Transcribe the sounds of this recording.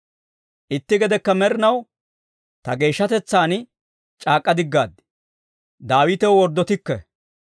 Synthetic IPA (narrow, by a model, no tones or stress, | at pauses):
ʔɪt̪ːɪɡɛd̪ɛkːɐmɛɾɪnɐw | t̪ɐɡe̞ːʃːɐt̪ɛt͡sːaːn | t͡ʃʼaːkʼːɐd̪ɪɡːaːd̪ːɪ̥ | d̪aːwɪt̪ɛwwɔɾd̪ːɔt̪ɪkːɛ̰